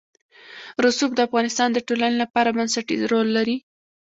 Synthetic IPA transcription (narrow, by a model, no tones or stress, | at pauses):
ɾʊsub̚d̪əafɣɑnɪst̪ɑnd̪əʈolanelapɑɾabansaʈḭɾolːaɾi